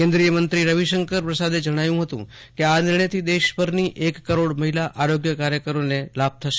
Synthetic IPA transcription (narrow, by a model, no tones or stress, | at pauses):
kẽnd̪ɾijəmənt̪ɾiɾəʋiʃəŋkəɾpɾəsad̪ed͡ʒəɽ̃ajũɦət̪ṵ̃ | keanɪɾɳəjt̪ʰid̪eʃpəɾniʔekːəɾoɽməɦilaʔʔaɾoɡjəkaɾjəkəɾonelab̚t̪ʰəʃe̥